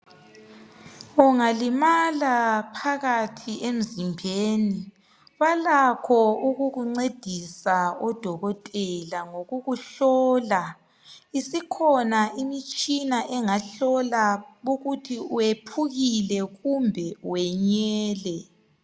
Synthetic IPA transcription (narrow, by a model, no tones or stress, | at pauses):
uŋalimalapʰaɣatʰiʔem̩zimbʱeːni | βalakʰɔuɣuɣuŋ͡ǀed̥ʱisaɔd̥ʱɔɣɔtʼɛlaŋoɣuɣuɬɔːla | isikʰɔnaimit͡ʃʼinaʔɛŋaɬɔlaβuɣutʰiuwepʰuɣilɛɣumbʱɛwɛɲɛːlɛ